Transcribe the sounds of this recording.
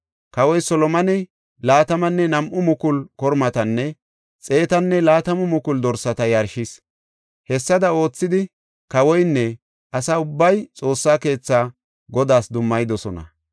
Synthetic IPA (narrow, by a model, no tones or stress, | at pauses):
kɐwɔjsɔlɔmɐnɪ | laːt̪ɐmɐnːɛnɐmʔʊmʊkʊlkɔɾmɐt̪ɐnːɛ | t͡sʼe̞ːt̪ɐnːɛlaːt̪ɐmʊmʊkʊld̪ɔɾsɐt̪ɐjɐɾʃɪs | hɛsːɐd̪ɐo̞ːt͡sːɪd̪ɪ | kɐwɔjnːɛ | ʔɐsɐʊbːɐjt͡sʼo̞ːsːaːke̞ːt͡sːaː | ɡɔd̪aːsd̪ʊmːɐjd̪ɔsɔnɐ̰